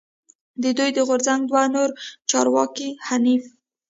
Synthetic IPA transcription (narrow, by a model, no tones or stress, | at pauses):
d̪əd̪ujd̪əɣoɾzaŋɡd̪wanoɾt͡ʃɑɾwɑkihanif